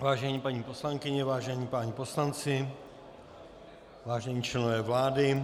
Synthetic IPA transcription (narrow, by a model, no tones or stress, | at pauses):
vaːʒɛɲiːpaɲipo̞slaŋkɪɲɛvaːʒɛɲiːpaːɲipo̞slant͡sɪ | vaːʒɛɲiːt͡ʃlɛnovɛːvlaːdɪ